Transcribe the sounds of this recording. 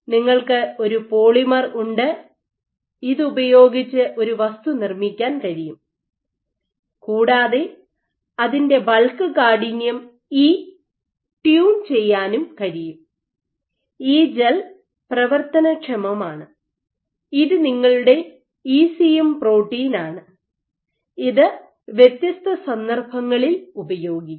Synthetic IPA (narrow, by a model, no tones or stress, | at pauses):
niŋːɐɭkɨo̞ɾupo̞ːɭimɐruɳɖɨ | iðɨubɐjo̞ːɡit͡ɕːɨʔo̞ɾuʋɐst̪unirmikʲːaːnkɐɻijum | kuːɽaːðe | ɐðinde̞bɐlkɨkaːɽinjɐm | iː | ʈjuːnt͡ɕe̞jːaːnumkɐɻijum | iːd͡ʑel | prɐʋɐrt̪ɐnɐkʂɐmɐmaːɳɨ | iðɨniŋːɐɭuɽe̞ | iːsijempro̞ːʈːiːnaːɳɨ | iðɨ | ʋjet̪jɐst̪ɐsɐnd̪ɐrbʱɐŋːɐɭilubɐjo̞ːɡi